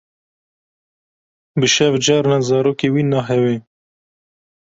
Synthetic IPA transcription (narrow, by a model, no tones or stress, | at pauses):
bɨʃɛvd͡ʒɑːɾnɑzɑːɾoːkewiːnɑːɦɛwe